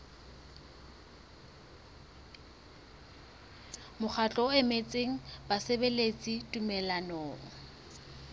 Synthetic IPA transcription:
mʊk͡xʰat͡ɬʼɔɛmet͡sʼeŋ̩basebelet͡sʼitʼumɛlanɔːɔ

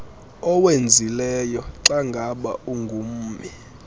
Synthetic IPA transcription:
ɔwend͡zʱilɛjɔǁaŋɡʱaɓa̰uŋɡʱum̩ːmi

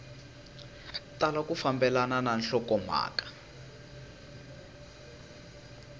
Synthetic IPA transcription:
talakufambɛlanananɬɔkɔm̤a̰ːkḁ

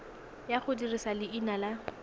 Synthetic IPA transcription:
jaχʊdirisalɪinala

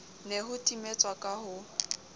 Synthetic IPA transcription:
neɦʊtʼimet͡sʼwakʼahʊ

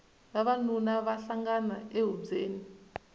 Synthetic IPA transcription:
βaβanunaβaɬaŋɡanaeɦud͡zeːni

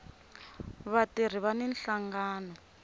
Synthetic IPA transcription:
βatir̤iβanɛn̩ɬaŋɡaːnɔ

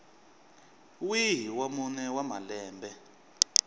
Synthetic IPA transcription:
wiɦiwamunɛwamalɛːmbʱɛ

